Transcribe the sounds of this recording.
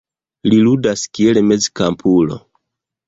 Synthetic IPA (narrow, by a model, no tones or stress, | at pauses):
liludaskielme̞zkampʰulo̰